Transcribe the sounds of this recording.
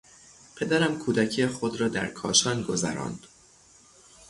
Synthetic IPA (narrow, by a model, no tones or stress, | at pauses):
pʰed̪æɾæmkʰuːd̪æcʰijexod̪ɾɒːd̪æ̰ɾkʰɒːʃɒnɡo̞zæ̰ɾɒ̰ːnd̪̥